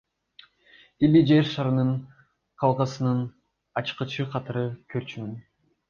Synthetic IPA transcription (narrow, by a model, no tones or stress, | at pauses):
ilʲid͡ʒeɾʃɑɾɯnɯɴ | qʰɑlˠqɑsɯnɯn | ɑt͡ʃqɯt͡ʃʰɯqʰɑt̪ɯɾɯkʰøɾt͡ʃynyn